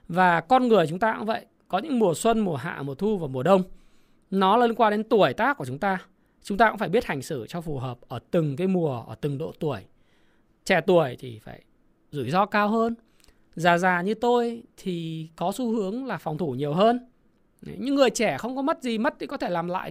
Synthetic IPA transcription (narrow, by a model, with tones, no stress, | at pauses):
vaː˨˩kɔ˧nŋɨ˨˩əjt͡ɕʊ˨˦ŋ͡mt̪aː˧kʊ̰˧˥və̰˧˨j | kɔ˨˦ɲɨ̰˧˥ŋmu˨˩əswə˧nmu˨˩əɦa̰ː˧˨mu˨˩ət̪ʰu˧vaː˨˩mu˨˩əɗə˧wŋ͡m | nɔ˨˦lːnkwaː˧ɗe˨˦nt̪u˧˩əjt̪aː˦˥k̚ːu˧˩ət͡ɕʊ˨˦ŋ͡mt̪aː˧ | t͡ɕʊ˨˦ŋ͡m̪aː˧kfaː˧˩jɓi˦˥ət̚ha˨˩ŋ̟sɨ˧˩t͡ɕɔ˧fu˨˩ɦəː˨˩p̚ʔəː˧˩t̪ɨ˨˩ŋkaː˨˦jmu˨˩əʔəː˧˩t̪ɨ˨˩ŋɗo̰˧˨t̪u˧˩əj | t͡ɕɛ˧˩t̪u˧˩əjt̪ʰi˨˩faː˧˩j | zṵ˧˩jzɔ˧kaː˧wɦəː˧n | zaː˨˩zaː˨˩ɲɨ˧t̪o˧jt̪ʰi˨˩kɔ˨˦su˨˦hɨ˨˦əŋlaː˨˩fɔ˨˩wŋ͡mt̪ʰu˧˩ɲi˨˩əwɦəː˧n˦ | ɲɨ̰˧˥ŋːɨ˨˩əjt͡ɕɛ˧˩xə˧wŋ͡mkɔ˨˦mə˦˥t̚zi˨˩mə˦˥t̚t̪ʰi˨˩kɔ˨˦t̪ʰe˧˩laː˨˩mla̰ː˧˨